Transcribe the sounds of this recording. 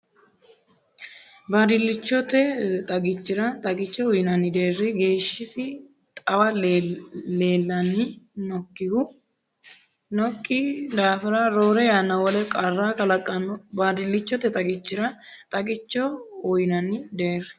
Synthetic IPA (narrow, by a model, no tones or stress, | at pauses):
bad̪ɪlːɪt͡ʃːɔt̪ɛt̪ʼɐɡɪt͡ʃːɪɾɐt̪ʼɐkʼɪt͡ʃːɔʊjɪnɐnːɪd̪e̞ːrːɪɡe̞ːʃːɪsɪ | t̪ʼɐwɐl | le̞ːlːɐnɪnɔkːɪɡʊ | nɔkʼːɪd̪aːfɪɾaɾo̞ːɾɛjaːnːɐwɔlɛkʼarːaːkɐlɐkʼːɐnɔbaːd̪ɪlːɪt͡ʃːɔt̪ɛt̪ʼɐɡɪt͡ʃːɪɾɐt̪ʼɐkʼɪt͡ʃːɔʊjnɐnɪd̪eːrːɛ̥